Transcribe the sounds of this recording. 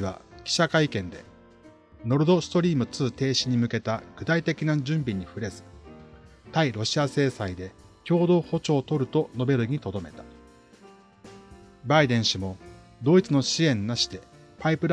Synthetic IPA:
βa̰kʲi̥ɕakaikẽ̞nd̪e̞̰ | no̞ɾɯ̟d̪o̞sɨ̥t̪o̞ɾʲiːmɯ̟t͡sɨːt̪e̞ːɕiɲ̟imɯ̟ke̞t̪aɡ̥ɯ̟t̪ait̪e̞kʲinad͡ʑɨ̃mbʲiɲ̟iɸɯ̟ɾe̞zɨ̥ | t̪aiɾo̞ɕiase̞ːsaid̪e̞ | kʲo̞ːd̪o̞ːho̞t͡ɕo̞ːt̪o̞ɾɯ̟t̪o̞no̞be̞ɾɯ̟ɡ̟it̪o̞d̪o̞me̞t̪ḁ | baid̪ẽ̞ɰ̃ɕimo̞d̪o̞it͡sɨno̞ɕiẽ̞nːaɕi̥t̪e̞ | paipɯ̟ɾ

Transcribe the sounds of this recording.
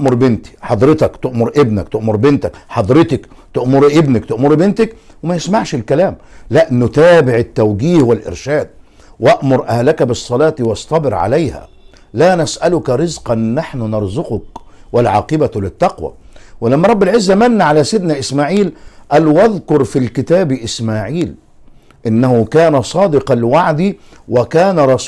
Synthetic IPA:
ʔʔmʊɾˤbɪnt̪i̥ħɑd̪ˤɾɪt̪ɑkt̪ɪʔmʊɾʔɪbnakt̪ɪʔmʊɾbɪnt̪akħɑd̪ˤɾɪt̪ɪkt̪ʊʔmʊɾʔɪbnak̚t̪ɪʔmʊɾbɪnt̪ɪk | wɪmæjɪsmaʕʃɪlkælæːmlæʔnːʊt̪æːbɪʕɪt̪ːæwɡiːhwɪlʔɪ̰ɾʃæːd̪̚ | wæʔmʊɾʔæhlækæbɪsˤːɑlɑːt̪wɑsˤt̪ˤɑbɪɾʕa̰lajhæ̰ | laːnasʔalʊkɾɪzqɑnːaħnʊnɑɾˤzʊqʊk | walʕɑ̰ːqɪbalɪt̪ːɑqwæ̰wɪlamːæɾˤɑbːɪlʕɪzːæmanːaʕalæsɪd̪naʔɪsmaːʕiːlʔælwaðkʊɾˤfilkɪt̪aːbʔɪsmaːʕiːl | ʔɪnːæhʊkæːnasˤɑːd̪ɪqɑlwaʕd̪iː | wɪkaːnaɾˤɑs

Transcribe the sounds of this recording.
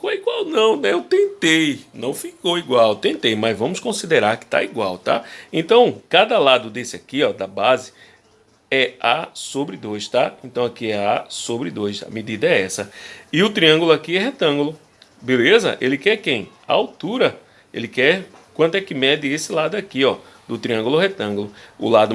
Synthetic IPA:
fkoɛiɡwawnɐ̃w̃nɛewt̪ẽnt̪ejnɐ̃w̃fikowiɡwawt̪ẽnt̪ejmɐzvɐ̃mʊskõsid̪eɾaɾkɪ̥t̪a̰iɡwa̰wt̪a̰ẽnt̪ɐ̃w̃kad̪ɐlad̪ʊd̪esɪakiɔd̪ɐbazɪ | ɛasobɾɪd̪ojst̪aẽnt̪ɐ̃w̃akiɛasobɾɪd̪ojsɐ̰med̪id̪ɐɛɛsɐɪʊt̪ɾiɐ̃ŋɡʊlʊakiɛɦet̪ɐ̃ɡʊlʊ | belezɐ̰ʔelɪkɛɾkẽj̃ | a̰awt̪uɾɐ | ḛlɪkɛɾkwɐ̃t̪ʊɛkɪmɛd̪ɪesɪlad̪ʊakiɔ | d̪ʊt̪ɾiɐ̃ɡulʊɦet̪ɐ̃ɡʊlʊʊ̰lad̪ʊ

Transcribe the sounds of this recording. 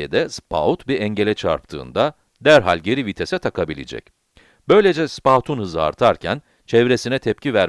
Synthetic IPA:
ed̪ɛspʰa̰ut̪biɾɛɲɟe̞lʲɛt͡ʃʰa̰ɾp̚t̪ʰɯ̰ːnd̪a | d̪æɾɦa̰lʲɟe̞ɾivit̪ʰesɛt̪ʰakʰabilʲḛd͡ʒɛ̰c̚ | bø̞jlʲed͡ʒɛspaːt̪ʰunhɯzɯa̰ɾt̪ʰaɾcʰæn | t͡ʃʰɛvɾe̞sinɛt̪ʰɛp̚civæɾ

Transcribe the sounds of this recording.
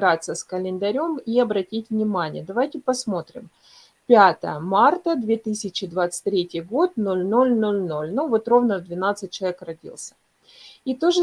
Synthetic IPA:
ɾat̪səskəlʲɪnd̪ɐɾʲo̞miɐbɾɐtʲitʲvnʲɪmanʲɪ̰jəd̪ɐvajtʲɪpɐsmo̞t̪ɾʲɪ̰m | pʲat̪ə̰jəmart̪əd̪vʲe̞t̪ɨsʲɪt͡ɕɪd̪vat̪sɨ̥t̚ʲt̪ʲːɾʲetʲɪjɡo̞t̪̚no̞lʲno̞lʲnolʲno̞lʲnuvot̪ro̞vnəd̪vʲɪnat̪sɨt̚ʲt͡ɕːɪlɐvekrɐdʲḭlˠsʲə̥ | it̪oʐɨ

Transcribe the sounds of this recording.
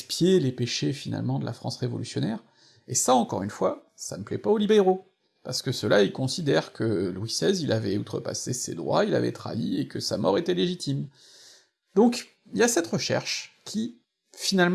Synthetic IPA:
pjelepeʃefina̰lmɑ̃d̪əla̰fχɑ̰̃sʁevɔ̰lysjɔnɛʁ | esaɑ̃kɔʁynfwa | sanəplɛpaolibeʁo | paʁsə̥kəsəlailkɔ̃sid̪ɛʁkʰəlwisɛzilʔavɛut̪χəpa̰sesḛd̪ʁwa̰ila̰vɛ̰t̪χa̰iekəsamɔʁet̪ɛleʒit̪im | d̪ɔ̃k | iljasɛt̪ʁəʃɛ̰ʁʃkʲʰi | finalm

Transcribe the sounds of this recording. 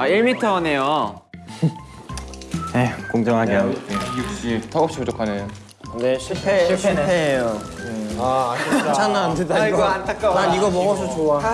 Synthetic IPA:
aiɭmitʰʌːne̞jo | nekoŋd͡ʑʌŋɦaɡeaɡteɕ͈itʰʌɡʌp̚ɕ͈ipʰut͡ɕ͈okʰanejo | neɕʰipʰeɕʰiɕʰipʰeejo | aat͡ɕʰanːaandedaoantʰak̚k͈aaiɡʌmʌŋʌs̬ʰot͡ɕoa

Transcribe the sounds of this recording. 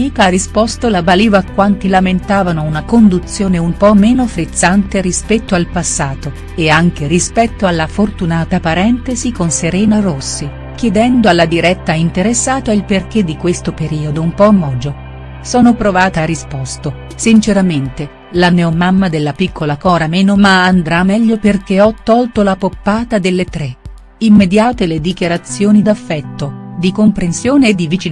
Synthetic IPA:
iːkarispɔst̪olabaliːvaakːwant̪ilament̪aːvanounakond̪ut̪sːjoːneumpɔmːeːnofɾit̪sːant̪eɾispɛt̪ːoalpasːaːt̪o | eaŋk̟erispɛt̪ːoalːafort̪unaːt̪apaɾɛnt̪ezikonseɾɛːnarosːi | k̟jɛd̪ɛnd̪oalːad̪iɾɛt̪ːaint̪eɾesːaːt̪ailperk̟ed̪ːikwest̪opeɾiːod̪oumpɔmːɔːd͡ʒo | sɔːnopɾovaːt̪aɾispɔst̪o | sint͡ʃeɾament̪e | lanɛomamːad̪elːapikʰːolakɔːɾameːnomaːnd̪ɾamːɛʎːoperk̟eɔt̪ːɔlt̪olapopːaːt̪ad̪elːet̪ɾe | imːed̪jaːt̪eled̪ikjaɾat̪sːjoːnid̪afːɛt̪ːod̪ikompɾensjoːneːd̪ːivit͡ʃi

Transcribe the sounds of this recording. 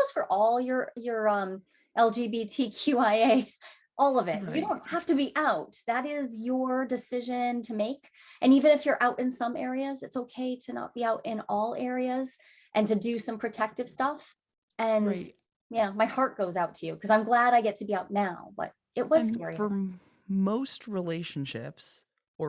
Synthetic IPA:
oʊz̥fə˞ʔɔlˠjə˞jə˞ʌ̃m | ʔɛlˠd͡ʒibitʰikʰj̥ʉaɪeɪ | ʔɔlˠʌvɪt̚jɨɾõʊ̃nt̚hæftɨbiʔaʊt̚ðɨɾɪzjə˞dɨsɪʒɨ̃ntʰɨmeɪk | ʔɨ̃nivɨ̃ñɨfjə˞ʔaʊɾʔɨ̃nsʌ̃mɛɹiɨzɨtsoʊkʰeɪɾɨnə̰t̚b̥iaʊɾʔɪ̃nɔlˠɛɹiɨz | ʔɨ̃ntɨdɨsʌ̃mpʰɹ̥ɨtʰɛk̚tɨv̥stʌf | ɨ̃n | jæmaɪhɑɹt̚ɡ̥oʊzaʊtʰɨjʉkʰʌzãɪ̃mɡlæɾaɪɡɛtʰɨbiaʊtⁿnaʊb̥ʌ̰ɾ | ɨt̚wʌzzkɛɹiə˞ | moʊst̚ɹileɪʃn̩ʃɪ̰ps | ə

